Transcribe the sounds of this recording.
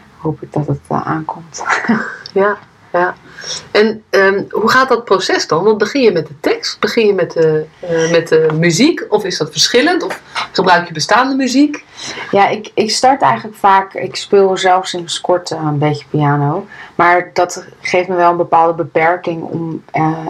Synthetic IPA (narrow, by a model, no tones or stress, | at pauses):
howpɪɡ̚dɔtəta̰ːnkɔmt | ja | ja | ɛnəɦuχaːt̚dɔt̚prosɛsdɑnʋɑnbəχɪnjəmɛt̚dətɛkst̚b̥əχɪnjəmɛtəmɛtəmyzikɔfɪsdɑtfəɹsχɪləntɔfχəbrœɥkjəbəstaːndəmyzikjaʔɪkɪkstɑɹtɛ̰jχələkfaːkɪ̰kspɪːlˠzɛlˠfsɪnəskɔɹtənbejə̥piaːnowmaːɹdɔtχejftməʋɛlˠənbəpaːlˠdəbəpɛɹkɪŋɔ̰m